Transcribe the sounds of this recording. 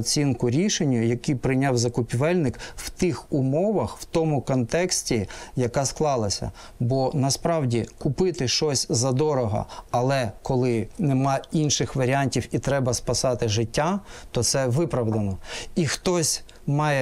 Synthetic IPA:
t͡sʲinkʊɾʲiʃenʲːɐjɐkipɾɪnʲɑwzɐkʊpʲiʋɛlʲnɪkw̥t̪ɪxʊmɔʋɐxw̥t̪ɔmʊkɔnt̪ɛksʲtʲijɐkɑsklˠɑlˠɐsʲɐ̰ | bɔnɐspɾɑwdʲikʊpɪt̪ɪʃt͡ʃɔsʲzɐd̪ɔɾɔɦɐ̰ɐlˠɛkɔlˠɪnemɑinʃɪxʋɐɾʲiɑnʲtʲiwit̪ɾɛbɐspɐsɑt̪ɪʒɪtʲːat̪ɔt̪sɛʋɪpɾɐwd̪ɐnɔixt̪ɔsʲ | mɑjɛ

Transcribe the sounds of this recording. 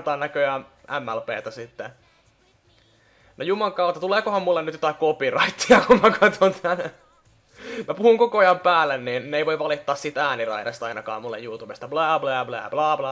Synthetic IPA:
t̪ɑːnnækøænʔæmːælpḛːt̪æsit̪ːe | nojumɑŋkɑut̪ːɑt̪uleːkohɑmmulːenyt̪jot̪ɑkopirɑit̪ːiɑkumækʰɑt̪ʰont̪ʰæn | mæpuhuŋkokoɑjɑmpæːlːenniːnneiʋoiʋʋɑlit̪ːɑːssit̪æːnirɑ̰iɾɑst̪ɑinɑkɑ̰ːmulːḛjjuːt̪ubest̪ɑblɑːblɑːblɑ̰ːblɑːblɑː

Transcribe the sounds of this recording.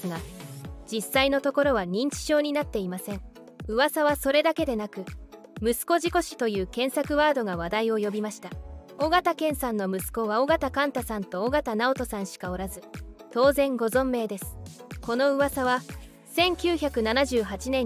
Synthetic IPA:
sɨɡad͡ʑisaino̞t̪o̞ko̞ɾo̞βaɲ̟ĩɲ̟t͡ɕi̥ɕo̞ːɲ̟inat̪ːe̞imasẽ̞ŋ | ɯ̟βasaβaso̞ɾe̞d̪ake̞d̪e̞nakɯ̟ | mɯ̟sɨ̥ko̞ʑiko̞ɕi̥t̪o̞jɯ̟ːkẽ̞ɰ̃sakɯ̟βaːd̪o̞ɡaβ̞ad̪aio̞jo̞bʲimaɕi̥t̪ao̞ɡat̪akẽ̞ɰ̃sãnːo̞mɯ̟sɨ̥ko̞βao̞ɡat̪akãnt̪asãnt̪o̞ːɡat̪anao̞t̪o̞sãɰ̃ɕi̥kao̞ɾazɨt̪o̞ːzẽ̞ŋɡo̞zõ̞mːe̞ːd̪e̞sɨ̥ko̞no̞ɯ̟βasaβa | sẽ̞ŋkʲɨːçʲakɯ̟nanaʑɨːɦat͡ɕinẽ̞

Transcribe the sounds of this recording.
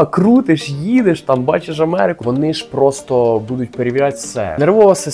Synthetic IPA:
ɐkɾut̪ɪʃjid̪eʃt̪ɑmbɑ̰t͡ʃeʃɐmɛɾɪkʊʋɔnɪʃpɾɔst̪ɔbud̪ʊtʲpeɾʲɪʋʲɾʲatʲsɛ̰neɾʋɔɔʋɐsʲɐ

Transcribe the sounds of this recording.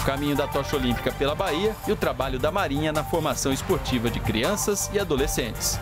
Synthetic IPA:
ʊkamĩɲʊd̪ɐt̪ɔʃolĩmpi̥kɐpelɐbaiɐɪʊt̪ɾabaʎʊd̪ɐmaɾĩɲɐnɐfoɾmasɐ̃w̃ɪspoɾt͡ʃivɐd͡ʒɪkɾḭɐ̃sɐzɪad̪olesẽt͡ʃɪ̥s

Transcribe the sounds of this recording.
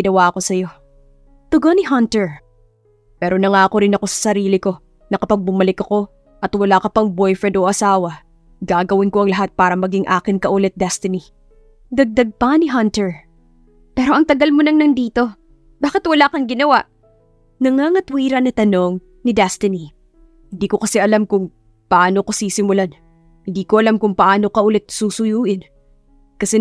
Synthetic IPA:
ɪnɐwaʔɐko̞sɐjo̞ | t̪ʊɡonɪɦɐnt̪ɛɹ | pɛːɾo̞nɐŋaːɐko̞ɾɪnɐko̞sɐ̥sɐɾiːlɪko̞ | nɐkɐpɐɡ̚bʊmɐlɪkɐko̞ | ʔɐt̪wɐlakɐpɐŋbojfɹɛnd̪ʔoʔɐsaːwɐ | ɡaːɡɐwɪnko̞ʔɐŋlɐɦat̪̚paːɾɐmɐɡiŋʔaːkɪnkɐʔulɛt̪̚d̪ɛst̪ɪni | d̪ɐɡ̚d̪ɐɡ̚pɐnɪɦɐnt̪ɛɹ | pɛːɾo̞ʔɐŋt̪ɐɡɐlmonɐŋnɐnd̪iːt̪o̞ | b̥aːkɪt̪wɐlaːkɐŋɡɪnɐwa̰ʔ | nɐŋaŋɐt̪wiːɾɐnɐt̪ɐno̞ŋ | nɪd̪ɛst̪ɪni | hɪnd̪iːkokɐsɛʔɐlamkʊŋ | pɐʔaːno̞kɐsiːsɪmʊlan | hɪnd̪iːkoʔɐlamkʊŋpɐʔaːno̞kɐʔʊlɛt̪̚suːsʊjuːʔɪn | kɐsɛ

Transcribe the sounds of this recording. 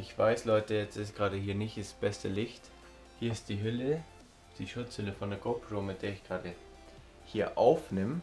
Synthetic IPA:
ʔɪçv̥aɪslɔʏtəjɛt͡stɪsɡ̥ʁaːɾəhiːɐnɪçtɪsb̥ɛstəlɪçt | hiːɐɪst̚d̥iːɦʏlə | d̥iːʃʊt͡shʏləfɔndeːɐɡ̥opʰroːmɪt̚d̥eːɐɪçɡ̥ʁaːdə | hiːɐʔaʊfnɪm

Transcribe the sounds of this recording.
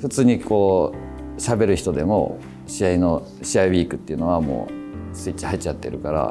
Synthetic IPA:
ɸɯ̟t͡sɨːɲ̟ikʰo̞ː | ɕabe̞ɾɯ̟çi̥t̪o̞d̪e̞mo̞̰ | ɕiaino̞ | ɕiaibʲiːkɯ̟t̪ːeiɯ̟no̞βamo̰ːsɨit͡ɕːihait͡ɕat̪ːe̞ɾɯ̟kaɾa̰

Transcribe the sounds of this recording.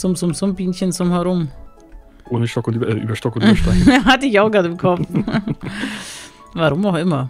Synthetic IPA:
t͡sʊmt͡sʊmzʊmbiːnçənt͡sʊmhɛʁʊm | ʔoːnəʃtɔkʊntːɛʔyːbɐʃtɔkʊnʃaɪhatəɪçaʊxɡ̥ʁaːtɪmkʰɔf | vaʁʊmaʊxʔɪmɐ

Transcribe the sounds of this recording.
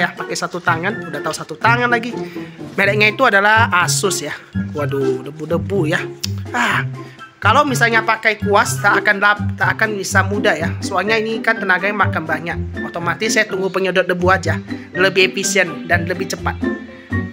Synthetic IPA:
japakajsat̪ut̪aŋanudaht̪ausat̪ut̪aŋanlaɡimelɛʔ̚ɲait̪uadalahasʊsjakuadudəbudəbujaah | kalawmisalɲapakajkuast̪aːkanlap̚t̪aːkanbisamudajasəualɲainikant̪ənaɡaɲamakanbaɲak̚ot̪omat̪ɪsːajat̪uŋɡupəɲədɔt̪̚dəbuad͡ʒaləbihefisiəndanləbɪht͡ʃəpat̪̚

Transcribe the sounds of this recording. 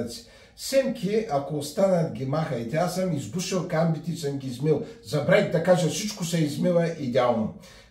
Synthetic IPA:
t̪si̥ | sɛmkʲʰiɐkoːst̪anɐt̪ɡʲimaxɐjit̪ɛasəmizb̪uʃilˠkambit̪isəmɡʲizmilˠzɐbɾɛɡ̚d̪ɐkaʒɐsit͡ʃkosɛizmivɐʔid̪ʲalˠno

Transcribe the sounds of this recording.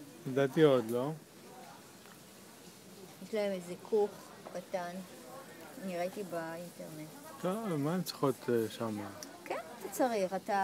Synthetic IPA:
jad̪at̪iod̪lo̞ | jeʃlaemezekʰuχ | kat̪anː | iʁet̪ibainteʁnett̪omant͡si̥χot̪ʃama | kenat̪at͡saʁiχat̪a

